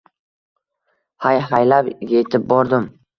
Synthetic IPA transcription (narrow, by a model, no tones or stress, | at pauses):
hajɦajlapjet̪ʰɪp̚bɒɾd̪ɪm